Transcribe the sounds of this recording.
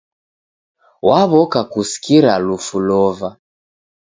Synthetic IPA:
waβɔkakusi̥kiɾalufulɔva

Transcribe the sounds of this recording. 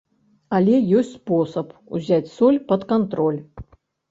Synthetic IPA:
alʲɛjɔsʲtt͡sʲspɔsɐpṵzʲat͡sʲsɔlʲpɐt̪kant̪ɾɔlʲ

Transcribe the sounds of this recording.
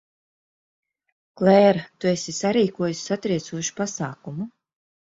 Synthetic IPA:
klɛːɾt̪uesʲisaɾiːkuɔjusʲsat̪ɾiɛt̪suɔʃu̥pasaːkumu

